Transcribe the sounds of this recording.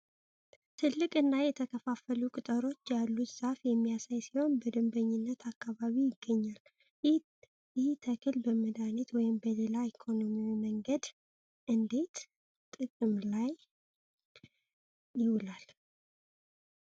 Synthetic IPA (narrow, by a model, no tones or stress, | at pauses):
t̪ʰɨlːɨkʼɨnːajɛt̪ʰəkʰəfafəlukʼɨt̪ʼəɾo̞t͡ʃːjalːut̪z̥afjɛmːijasajsiho̞nbəd̪ɨmbəɲːɪnːət̪ʰakːaβaβijɪɡːəɲːal | ɪht̪ʰəkʰɨlbəməd̪anet̪wɔjɪmbəle̞laikʰo̞no̞miwiməŋɡəd̪ | ʔɨnd̪e̞t̪ | t̪ʼɨkʼɨmlaj | ɪwɨlal